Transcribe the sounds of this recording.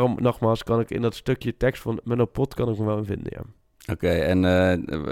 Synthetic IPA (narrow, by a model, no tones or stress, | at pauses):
rɔmnɔχmaːlˠskɑnɪkɪ̰ndɔtstøkjətɛkstfɑnmɛnopɔtkɑnɪkməʋɛlˠənvɪ̰ndə̰ja̰ | okejɛn